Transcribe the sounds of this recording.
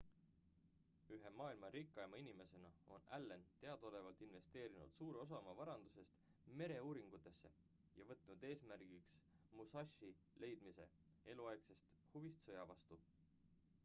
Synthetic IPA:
yɦemɑːilmɑɾikːˑɑjmɑinime̞se̞nɑo̞̰nælːe̞nt̪e̞ɑd̪̥o̞le̞vɑlt̪ˑinve̞st̪e̞ːɾinṵd̪̥suːɾeo̞s̬ɑmɑvɑɾɑnd̪use̞st̪me̞ɾe̞uːɾiŋɡ̥ut̪ːˑe̞sːe̞̰ | jɑ̰vɤt̪nud̪̥e̞ːsmæɾɡ̥iksmusɑʃi | le̞jd̪mise̞̰ | e̞luɑjɡ̥se̞st̪huvist̪sɤjɑvɑst̪u

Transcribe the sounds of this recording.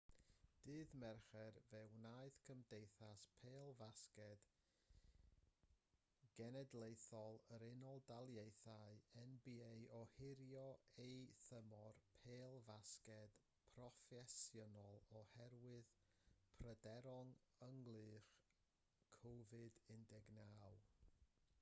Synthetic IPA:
d̥ɨːðmɛrχɛrvɛwnaɨðkʰəmdejθaspʰeːlˠvaskɛd̥ | ɡ̥ɛnɛdlˠejθɔlˠəɾɪnɔlˠdalˠjejθaɨɛnbiejɔhɪɾjɔejθəmɔrpʰeːlˠvaskɛd̥ | pʰrɔfɛsjɔnɔlˠɔhɛɾwɨð | pʰrədɛɾɔŋəŋlˠɨːr | kʰɔvɨdɪndɛɡnaːwˠ

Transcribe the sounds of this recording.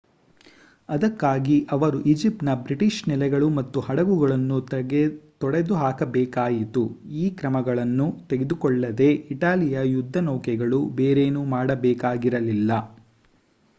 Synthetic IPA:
ɐd̪ɐkːaːɡiʔɐʋɐɾuʔid͡ʒip̚ʈnɐbɾiʈiʂnilɛɡɐɭumɐt̪ːuhɐɽɐɡuɡɐɭɐnːut̪ɡet̪ɔɽed̪uɦaːkɐbɛːkaːjit̪uiːkɾɐmɐɡɐɭɐnːut̪e̞ɡed̪ukɔɭːɐd̪e̞iʈaːlijɐjud̪ʱːɐnɔːkɛɡɐɭubeːɾeːnumaːɽɐbɛːkaːɡiɾɐlilːɐ

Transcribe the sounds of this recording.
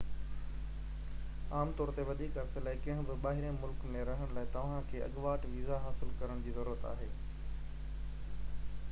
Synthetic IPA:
aːmt̪ɔːɾt̪eʋɐd̪ʱiːkɐɾselaːɪkɐ̃ɦɪ̃bɪɓaːɦɪɾẽmʊlkmẽɾɐɦəɽ̃laːɪt̪ɐʋ̤ãkʰeːʔɐ̰ɠʋaːʈʋiːzaɦaːsɪlkɐɾəɽ̃d͡ʑiːzɐɾuːɾət̪a̰ːɦeː

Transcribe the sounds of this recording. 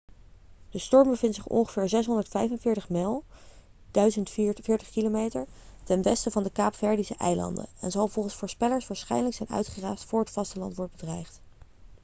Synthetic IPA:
d̥əstɔɹmbəvɪntsɪχɔ̰nχəv̥ɪːɹzɛs̬ɦɔndəɹtfɛjfənvɪːɹtəχmɛlˠ | d̥œɥzəntfɪːɹtə̥χkilomejtəɹtɛnʋɛstəvɑndəkaːpfɛɹdisəʔɛ̰jlɑ̰ndə̰ɛ̰nzɑlˠvolˠχənsfʊːɹspɛləɹsʋaːɹsχɛ̰jnələksɛjnœ̰ɥtχəraːstfʊːɹɦətfɑstəlɑ̰ntʋɔɹdbədrɛjχt

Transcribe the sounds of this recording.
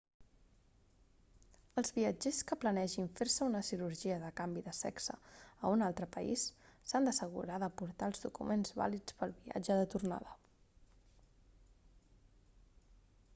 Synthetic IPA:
əlˠzβiəd͡ʒeskəplənɛʒiɱfeɾsəunəsiɾuɾʒiəðəkambiðəsɛ̰ksə̰ə̰unalˠt̪ɾəpəḭsːand̪əsəɣ̞ṵɾaðəpuɾt̪aəlˠzðukṵmenzβa̰lit͡spəlˠβia̰d͡ʒəðət̪urna̰ðə

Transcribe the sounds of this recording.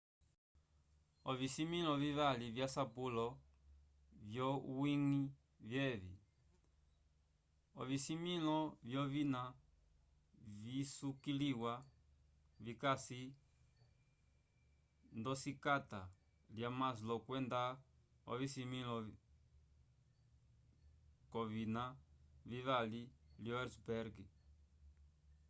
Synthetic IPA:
ɔvisimilɔviβalivjasapulɔ | vjɔwiŋi | vjɛβḭ | ɔ̰visimilɔvjɔvina | visukiliwa | vikasi | nd̪ɔsikat̪a | ljamas̬lɔkwɛnd̪a | ɔ̰visimĩlɔ | kɔβinaviβaliljɔɛɾsbɛɾɡi

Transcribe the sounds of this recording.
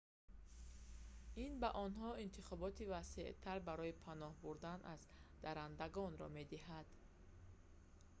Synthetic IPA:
inbaʔɔnɦɔint̪ʰiχɔbɔt̪ivaseʔt̪ʰaɾbaɾɔipʰanɔhbuɾd̪anʔazd̪̥aɾand̪aɡɔnɾɔ̰med̪iɦad̪̥

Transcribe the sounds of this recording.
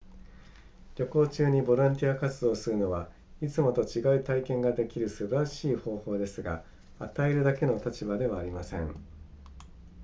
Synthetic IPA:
ɾʲo̞ko̞ːt͡ɕɨːɲ̟ibo̞ɾãnt̪ʲiakat͡sɨd̪o̞ːsɨɾɯ̟no̞βa | it͡sɨmo̞t̪o̞t͡ɕiɡait̪aikẽ̞ŋɡad̪e̞kʲiɾɯ̟sɨbaɾaɕiːho̞ːho̞ːd̪e̞sɨɡa̰ | at̪aeɾɯ̟d̪ake̞no̞t̪at͡ɕibad̪e̞βaːɾʲimasẽ̞ŋ

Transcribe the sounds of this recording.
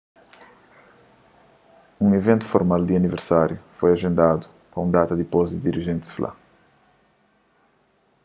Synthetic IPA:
ũŋevẽnt̪u̥foɾmald̪iɐniveɾsaɾjufojɐʒẽnd̪ad̪u | pɐũnd̪at̪ɐd̪ipozd̪id̪iɾiʒẽnt̪sflʔa̰

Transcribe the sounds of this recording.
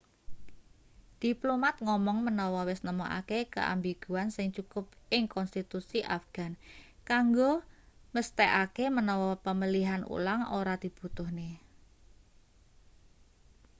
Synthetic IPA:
d̪̥i̤plomat̪̚ŋɔmɔŋmənɔwɔwɪsnəmoʔa̰kekə̰ʔa̰mbiɡ̥uansɪŋt͡ʃukʊpɪŋkɔnst̪it̪usiʔafɡ̥a̤nkaŋɡoməst̪ɛʔakemənɔwɔpəməliɦanṵlaŋo̰ɾad̪̥i̤b̥ut̪ʊhne

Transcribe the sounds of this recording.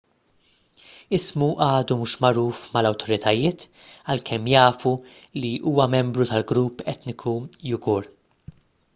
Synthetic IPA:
ɪsmuʔɐːd̪umuːʃmɐɾuːfmɐlɐwt̪ʰɔɾɪt̪ɐjɪːt̪ | ɐlkʰɛmːjɐːfu | liʔuːwɐmɛmbɾut̪ɐlɡɾuːpːɛt̪nɪkʰujʊɡɔːɾ

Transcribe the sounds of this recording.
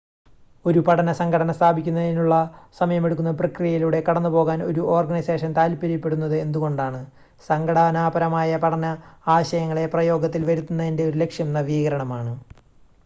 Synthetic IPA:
o̞ɾupɐɽɐnɐsɐŋɡʰʱɐɽɐnɐst̪ʰaːbʱikʲːunːɐðinuɭːɐsɐmɐjɐme̞ɽuk̬ːunːɐprɐkrijɐjiluɽe̞kɐɽɐnːupo̞ːɣaːno̞̰ɾuʔo̞ːrɡɐnise̞ːʂɐnt̪aːlpɐɾjiɐpːe̞ɽunːɐðɨe̞nd̪uɣo̞ɳɖaːɳɨ | sɐŋɡɐɽaːnaːbɐɾɐmaːjɐpɐɽɐnɐaːɕɐjɐŋːɐɭe̞prɐjo̞ːɡɐt̪̬ːilʋɐɾut̪ːunːɐðinde̞o̞ɾulekʂjɐmnːɐʋiːɣɐɾɐɳɐmaːɳɨ

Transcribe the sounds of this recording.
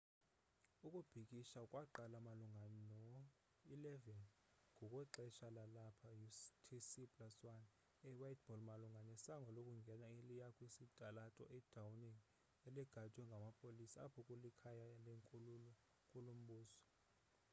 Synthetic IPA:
ukʼub̥ʱikʼiʃaukʼwaǃalamaluŋɡʱanɛnɔ | ilɛvɛn | ŋɡʱɔkʼɔǃɛʃalalapʰajutʰisipʼlaswan | ɛwajtʰʼb̥ʱɔlmaluŋɡʱanɛsaŋɡʱɔlokʼuŋɡʱɛnailijakʰʼwisitʼalatʼɔ̰ʔɛd̥ʱawniŋ | ɛliɡ̥ʱat͡ʃʼwɛŋɡʱamapʼolisaapʰɔkʼulikʰajaleŋkʼululɔ | kʼulum̩ɓuːsɔ̥

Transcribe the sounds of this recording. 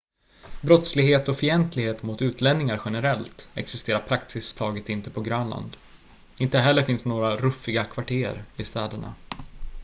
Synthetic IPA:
bɾɔt̪slɪɡɦeːt̪ɔfɪɛnt̪lɪɡheːt̪mʊt̪ʉ̟ːt̪ʰlɛnːɪŋaɾɧɛnəɾɛlt̪ɛ̰ksɪst̪eːɾaɾpʰɾaksɪst̪ʰɑːɡət̪ɪnt̪əpʰɔɡɾœːnla̰nd̪ | ɪnt̪əɦɛlːəɾfɪnsnoːɾaɾɵfːɪɡakʰvaʈʰḛːɾɪst̪ɛːd̪əɳa̰

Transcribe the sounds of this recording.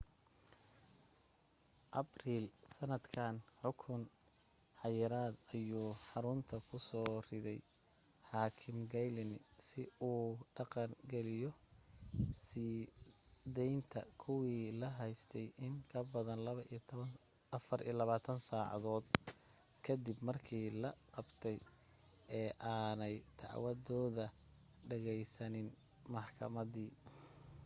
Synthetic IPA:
ʔɐbriːlsɐnɐd̪kʰaːnħʊkʰʊn | ħɑjɪɾaːd̪ɐjuːħɑɾʊnt̪ʰɐkʰʊsɔːrɪðɛj | ħaːkʰɪmɡɛjlɪnɪsɪuːɖɑqɑŋɡɛlɪjɔ | sɪ | d̪ɛjnt̪ʰɐkʰʊwiːlɐɦɛjst̪ʰɛjɪŋkʰɐbɐðɐnlɐβɐʔijt̪ʰβɐn | ɐfɐrʔḭːɐlɐβaːt̪ʰɐnsaːʕɑ̰ðɔːd̪ | kʰɐd̪ɪbmɐrkʰiːlɐqɑbt̪ʰɛj | ɛːʔaːnɛjt̪ʰɑ̰ʕwɐðɔːðɐ | ɖɛɣɛjsɐnɪn | mɑħkʰɐ̰mɐðiː

